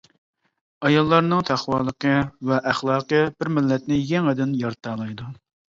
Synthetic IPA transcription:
ɑjɑlˠːɑɾnɨŋt̪ʰæχwɑːlˠəqʰəvɛʔæχlˠɑːqəb̥ɪɾmɪlːɛt̪̚nɪjɛŋɪd̪ɪnjɑɾt̪ɑːlˠɑjd̪u

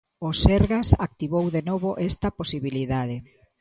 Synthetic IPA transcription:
oseɾɣasak̚t̪iβowðenoβ̞oʔɛst̪ɐposiβiliðað̞e

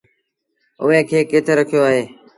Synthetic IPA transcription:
ʊɦẽːkʰeːkeːt̪ʰeːɾəkʰijoːaːɦeː

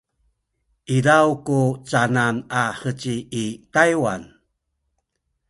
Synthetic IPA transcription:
ʔiɾawkut͡sananaħət͡ɕiːkajwa̰n

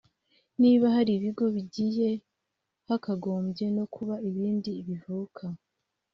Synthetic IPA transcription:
niːβaɦaɾiβiɡo̞βiɟije̞ | hakaɡo̞ːmbɟe̞no̞kʰuβaiβiːndiːβivukʰa

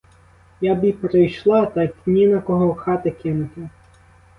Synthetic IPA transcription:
jabipɾɪjʃlˠɑt̪ɐkʲnʲinɐkɔɦɔxɑt̪ɪkʲɪnʊt̪ʲɪ

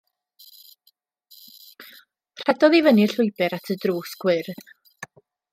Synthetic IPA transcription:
pʰr̥ɛdɔðivəniɬʊjbɛɾatʰədruːsɡ̥wɪrð

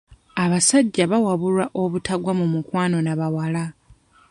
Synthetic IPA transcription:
aβasaɟːaβawaβulaʔo̞βutʰaɡwamumukwaːno̞naβawala

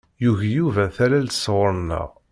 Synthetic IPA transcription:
juʝjuvæθælælt̪swəɾˤnə̰ʁ

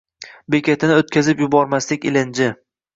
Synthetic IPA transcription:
bekʲʰat̪ʰɪnɪot̪̚kʲʰazɪpjʊbɒɾmaslɪkʲɪlɪnd͡ʒɪ

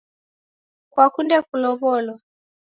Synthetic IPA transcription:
kwakundɛkulɔβɔlwɔ

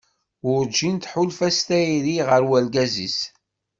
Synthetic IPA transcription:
ʊɾd͡ʒint̪ħʊlfæst̪æiɾiʁəɾwælɡæzḭs

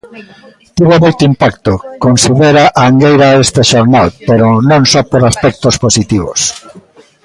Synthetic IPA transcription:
t̪iβomojt̪ʊimpakt̪ʊkonsiðeɾaʔaŋɡejɾaest̪eʃoɾnalpeɾonõŋsɔpoɾaspɛk̚t̪osposit̪iβ̞o̰s

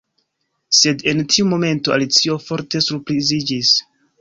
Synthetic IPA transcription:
se̞de̞ntʰiumo̞me̞ntoa̰lit͡sio̞fo̞ɾte̞suɾpɾizid͡ʒis

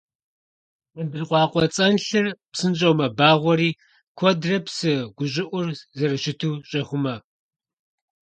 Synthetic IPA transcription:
ʔəndɨrqʷɑːqʷʼɔt͡sʼɐnɬɨrpsɨnɕʼɐwmɐbaːʁʷɔɾiː | kʷʰɔdrɐpsɨɡ̥ʷʊɕʼɪʔʷʊrzɐɾɨɕɪtʰuːɕʼɐχʷʊmɐ

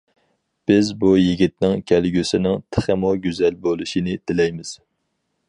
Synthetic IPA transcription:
b̥ɪzbujiɡʲit̪̚nɪŋkʲʰælɡʲysɪnɪŋt̪ʰəχəmoɡʲyzɛlbolˠɨʃinɪd̪ɪlɛjmɪz̥

